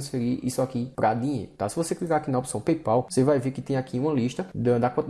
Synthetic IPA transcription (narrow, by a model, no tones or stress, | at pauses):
sfeɾiʔḭsʊakipɾʔad̪ĩɲḛjɾʊt̪asɪvoseklikaɾakinɐopsɐ̃w̃pejpawosevajveɾkɪt̪ẽj̃akiũmɐliʃt̪ɐd̪ɐd̪akõt̪